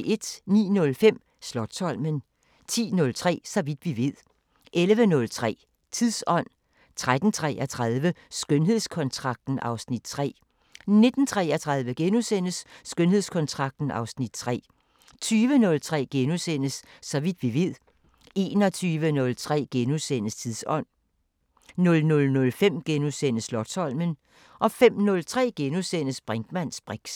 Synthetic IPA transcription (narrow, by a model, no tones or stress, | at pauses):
e̝d̥nḭːnɔ̽lfem̰ | slɒd̥sʰɒ̽l̰mən | t͡sʰḭːnɔ̽lt͡sʰʁɛ̰ːsɒ̽ʋid̥ʋiʋe̝ð̰ˠ | ʔelʋənɔ̽lt͡sʰʁɛ̰ː | t͡sʰiðˠsɒ̽n̰ | t͡sʰʁad̥n̩t͡sʰʁɛ̰ʔɐt͡sʰʁaðˠʋəsɡ̥ønɦe̝ð̞ˠskʰɒ̽nt͡sʰʁɑ̈ɡ̥̚d̥n̩ʔɑ̈ʊsnid̥̚t͡sʰʁɛ̰ː | ne̝d̥n̩t͡sʰʁɛːɐt͡sʰʁɑ̈ð̞ˠʋəɡ̥enusen̰əsːɡ̥ønhe̝ð̰ˠskʰɒ̽nt͡sʰʁɑ̈ɡ̥̚d̥n̩ɑ̈ʊsnid̥t͡sʰʁɛ̰ː | t͡sʰyːʋənɔ̽lt͡sʰʁɛ̰ːɡ̥enusen̰əsːɒ̽ʋid̥ʋiʋið̰ˠ | e̝̰ːnɒ̽t͡sʰyːʋənɔ̽lt͡sʰʁɛ̰ːɡ̥enusen̰əst͡sʰiðˠsɒ̽n̰ | nɔ̽lnɔ̽lnɔ̽lfem̰ɡ̥enusen̰əslɒ̥sɒ̽l̰mən | ʔɒ̽fem̰nɔ̽lt͡sʰʁɛ̰ːɡ̥enusenəsb̥ʁɛŋd̥mænsb̥ʁeɡ̥s